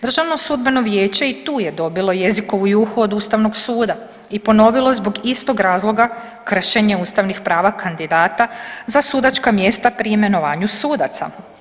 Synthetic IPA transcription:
d̪r̩ʒaʋno̞sud̪be̞no̞ʋje̞ːt͡ɕe̞it̪uːje̞d̪o̞bilo̞je̞ziko̞ʋujuxuo̞d̪ust̪aʋno̞ɡsuːd̪a | ipo̞no̞ʋilˠozbo̞ɡist̪o̞ɡɾaːzlˠo̞ɡa | kr̩ʃe̞ɲe̞uːst̪aʋnixpɾaːʋakʰand̪id̪aːt̪azasuːd̪at͡ʃkamje̞st̪apɾiime̞no̞ʋaːɲusuːd̪at̪sa̰

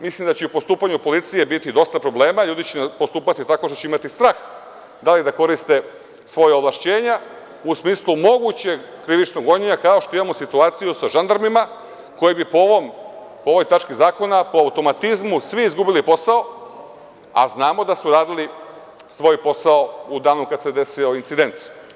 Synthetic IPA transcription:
mislimd̪at͡ɕeupo̞st̪uːpaɲupo̞lit̪sije̞bit̪id̪o̞st̪apɾo̞ble̞ːmaʎuːd̪it͡ɕenpost̪uːpat̪it̪ako̞ʃt̪ot͡ɕeimat̪ist̪ɾaːx | d̪alid̪ako̞ɾist̪e̞ | sʋo̞jaoʋlˠaʃt͡ɕe̞ːɲa | usmiːslˠumo̞ɡut͡ɕe̞ɡkɾiʋit͡ʃnoɡo̞ɲeɲakao̞ʃt̪o̞imamosit̪uaːt̪sijusaʒand̪aɾmima | ko̞jebipoom | pooʋo̞jt̪at͡ʃkizaːko̞napoawt̪o̞mat̪izmusʋiizɡubiliposao̞ | a̰znaːmo̞d̪asuɾaːd̪ili | sʋo̞jpo̞sao̞ud̪aːnukad̪sed̪e̞sio̞int̪sid̪e̞nt̪

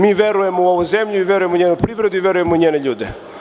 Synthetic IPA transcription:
miːʋeɾujemouoʋujzemʎuiʋʲeɾujemoɲeːnupɾiːʋɾed̪uiʋʲeɾujemoiɲeːneʎuːd̪ḛ

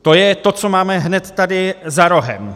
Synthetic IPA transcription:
t̪o̞jɛt̪o̞t͡so̞maːmɛɦnɛt̪ːadɪzaɾo̞ɦɛ̰m

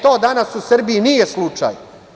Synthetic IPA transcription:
t̪o̞ːd̪anasusr̩biinijeslˠut͡ʂa̰j

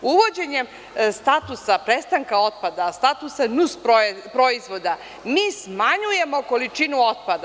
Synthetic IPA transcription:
uʋo̞d͡ʑe̞ɲem | st̪at̪usapɾest̪aŋkao̞t̪̚pad̪ast̪at̪usanuspɾopɾo̞izʋo̞d̪a | miːsmaɲuje̞mo̞ko̞lit͡ʂinuot̪̚pad̪a

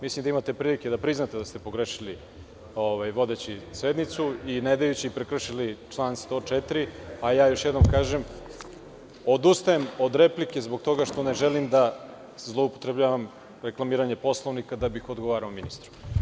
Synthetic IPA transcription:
mislimd̪aimat̪e̞pɾiːlike̞d̪apɾiznat̪ed̪ast̪e̞po̞ɡɾeʃili | o̞ʋajʋo̞d̪e̞t͡ɕised̪nit̪suined̪ajut͡ɕipɾekrr̩ʃilit͡ʃlˠaːnst̪o̞t͡ʃet̪ɾiajaːjo̞ʃjed̪nomkaːʒe̞m | o̞d̪ust̪ajemo̞d̪ɾe̞plike̞zbo̞ɡt̪o̞ɡaʃt̪o̞ne̞ʒelimd̪a | zlˠo̞upot̪ɾe̞bʎaːʋam | ɾe̞klˠamiːɾaɲe̞po̞slˠo̞ʋnikad̪abixo̞d̪ɡoʋaːɾaominist̪ɾu

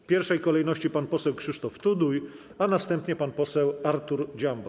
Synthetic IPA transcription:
pʲjɛɾfʂɛjkɔlɛjnɔɕt͡ɕipanpɔsɛwkʂɘʂt̪ɔft̪ud̪uj | anast̪ɛmpɲɛpanpɔsɛwaɾt̪uɾd͡ʑambɔ

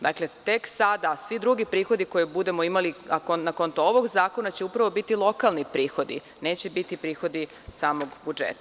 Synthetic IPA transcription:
d̪akle̞t̪e̞ksad̪asʋid̪ɾuɡipɾiːxo̞d̪iko̞jebud̪e̞mo̞imaliakonakont̪ooʋo̞ɡzaːko̞nat͡ɕe̞upɾaʋobit̪ilˠo̞kalnipɾiːxo̞d̪ḭ | ne̞ːt͡ɕebit̪ipɾiːxo̞d̪i | saːmo̞ɡbud͡ʒḛt̪a

